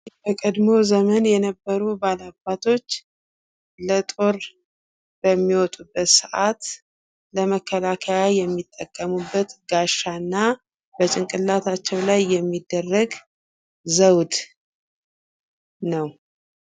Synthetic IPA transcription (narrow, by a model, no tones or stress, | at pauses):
bəkʼəd̪mo̞zəmənjɛnəbːəɾubalabːat̪ʰo̞t͡ʃː | lət̪ʼo̞ɾ | b̥əmːiwɔt̪ʼubːət̪sɨʔat̪ | ləməkʰːəlakʰəjajɛmːit̪ʼːəkʼːəmubːət̪ɡaʃːanːa | b̥ət͡ʃʼɪŋkʼɨlːat̪ʰat͡ʃːɛwlajːɛmːid̪ːərːəɡ | zəwd̪ | nəw